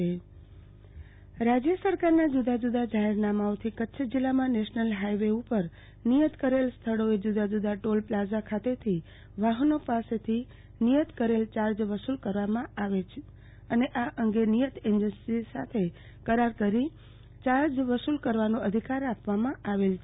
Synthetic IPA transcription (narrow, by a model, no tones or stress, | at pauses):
e | ɾad͡ʒjəsəɾkaɾnad͡ʒud̪ad͡ʒud̪ad͡ʒaɦeɾnamaot̪ʰikətːʃʰd͡ʒilːamãneʃnəlɦajʋeupəɾ | nijət̪kəɾelst̪ʰəɽoed͡ʒud̪ad͡ʒud̪aʈolplad͡ʒakʰat̪et̪ʰi | ʋaɦənopaset̪ʰi | nijət̪kəɾelt͡ʃaɾd͡ʒʋəsulkəɾʋamãaʋet͡ʃʰe | əneʔaʔəŋɡenijət̪eɲd͡ʒənsisa̰t̪ʰe | kəɾaɾkəɾi | t͡ʃaɾd͡ʒʋəsulkəɾʋanũəd̪ʱikaɾapʋamãʔaʋelt͡ʃʰe